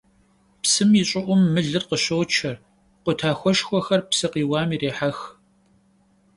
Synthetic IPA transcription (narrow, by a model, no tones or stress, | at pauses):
psɨmiɕʼɪʔʷʊmːɨɮɨrqəɕɐwt͡ʃʰɐr | qʷʊtʰaːxʷɔʃxʷɔxɐrpsɨqiːwaːmiːreːħax